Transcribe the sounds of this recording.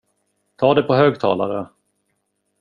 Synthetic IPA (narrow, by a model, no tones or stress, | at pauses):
t̪ʰɑːd̪ɛpʰɔɦøːɡ̚t̪ʰɑ̰ːlaɾə